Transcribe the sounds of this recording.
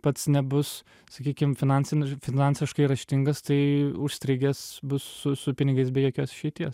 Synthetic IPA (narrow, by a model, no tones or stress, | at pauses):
pɐt̪snʲɛbʊs | sɐkʲiːkʲɪmfʲɪnɑnʲsʲɪnʲfʲɪnɑnʲsʲɪʃkɐɪɾɐʃʲt̪ʲɪŋɡɐst̪ɐɪʊʃsʲt̪ʲɾʲɪɡʲesbʊsːʊsʊpʲɪnʲɪɡɐɪs̬bʲɛjoːkʲoːsɪʃʲɛɪt̪ʲiɛs